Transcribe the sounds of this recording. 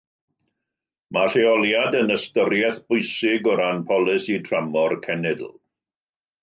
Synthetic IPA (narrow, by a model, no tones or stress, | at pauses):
maɬeɔlˠjadənəstəɾjɛθb̥ʊɨsɪɡɔɾanpʰɔlˠɨsitʰramɔrkʰɛnɛdl̩ˠ